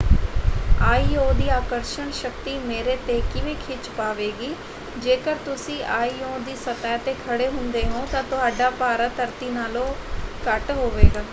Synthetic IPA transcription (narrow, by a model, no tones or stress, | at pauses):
aːiːoːd̪iːaːkəɾʃəɳʃəkt̪iːmeːɾeːt̪eːkɪʋẽːkʰɪt͡ʃpaːʋeːɡiː | d͡ʒeːkəɾt̪ʊsĩːʔaːiːõːd̪iːsət̪aɛːt̪eːkʰəɽeːɦʊnd̪eːɦõːt̪ãːt̪ʊɦaːɖaːpaːɾət̪əɾt̪iːnaːlõːkəʈɦoːʋeːɡaː